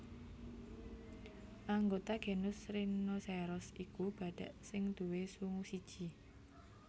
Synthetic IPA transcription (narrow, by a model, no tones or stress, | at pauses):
ʔaŋɡot̪aɡ̥e̤nʊsɾinosɛɾɔsikub̥a̤ɖ̥a̤ʔsɪŋd̪̥uwesuŋusid̥ʒ̥i